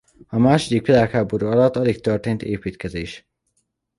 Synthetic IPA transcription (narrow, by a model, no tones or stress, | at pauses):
ɒmaːʃod̪ikpilaːkhaːbo̞ɾuːɒlɒt̪ːɒlikt̪ørt̪eːnt̪ḛːpiːt̪kɛzeːʃ